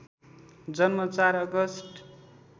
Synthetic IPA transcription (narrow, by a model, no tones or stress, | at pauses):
d͡zʌnmʌt͡saɾʌɡʌsʈ